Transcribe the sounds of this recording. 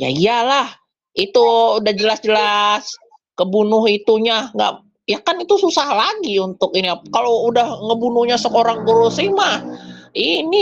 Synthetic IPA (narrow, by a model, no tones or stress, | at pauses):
ja̰ijalah | it̪uːdahd͡ʒəlasd͡ʒəlas | kəbunʊɦit̪uɲaŋɡa̰ʔ | jakanit̪ususahlaɡiunt̪ʊkiniakaloudahŋəbunʊhɲasəkoɾaŋɡoɾusimahini